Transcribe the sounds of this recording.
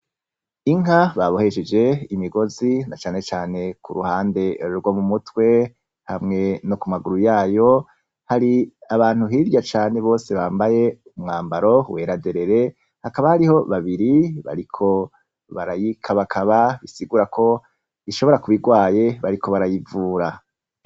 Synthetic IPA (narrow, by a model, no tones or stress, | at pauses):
iŋɦaβaβo̞he̞ʃed͡ʒe̞imiɡo̞zinat͡ʃaːne̞t͡ʃaːne̞kṵɾuhaːnde̞ɾɡwomumutwe̞ | hamŋe̞nokumaɡuɾujaːjo̞ | haɾiaβaːn̥huɦiːɾɟat͡ʃaːne̞βo̞ːse̞βaːmbaje̞umŋaːmbaɾo̞we̞ːɾade̞ɾe̞ɾe̞ | hakaβahaɾiho̞βaβiɾiβa̰ɾikʰo̞ | βaɾajikʰaβakʰaβaβisiɡuːɾakʰo̞ | iʃo̞βo̞ɾakuβiɡwaːje̞βaɾiko̞βaɾajivuːɾa